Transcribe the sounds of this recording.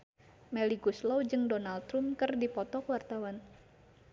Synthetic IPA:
mɛliɡuslɔwd͡ʒɨŋdɔnalt̪ɾumkɨrdipɔt̪ɔkwart̪awan

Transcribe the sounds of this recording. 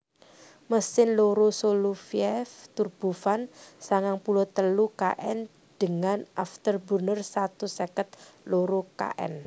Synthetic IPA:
məsɪnloɾosolufiɛft̪urb̥ufansaŋaŋpulot̪əluka̰ʔɛn | d̪̥ə̤ŋanʔaft̪ərbərnərsat̪usɛkət̪̚loɾoka̰ʔɛ̰n

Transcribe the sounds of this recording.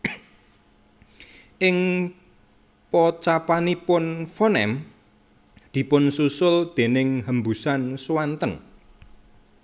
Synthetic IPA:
ʔɪŋ | pɔt͡ʃapanipʊnfɔnɛ̰m | d̪̥i̤pʊnsusʊld̪̥e̤nɪŋɦəmbusanswant̪ən

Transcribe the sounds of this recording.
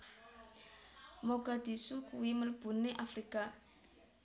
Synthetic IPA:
moɡ̥a̤d̪̥i̤sukuwiməlb̥ṳneʔafɾika

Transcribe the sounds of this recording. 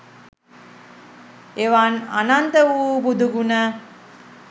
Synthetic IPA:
eʋana̰nant̪əʋuːbud̪uɡunə

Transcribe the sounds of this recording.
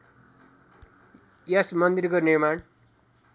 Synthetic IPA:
jʌsmʌnd̪irkonirmaɳ

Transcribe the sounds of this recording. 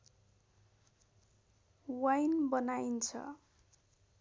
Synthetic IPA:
wajnbʌnajint͡sʰʌ̰

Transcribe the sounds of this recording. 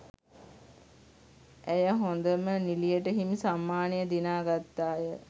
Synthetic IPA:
æjəɦond̪əmənilijəʈəɦimsamːaːnijəd̪inaːɡat̪ːaːjə

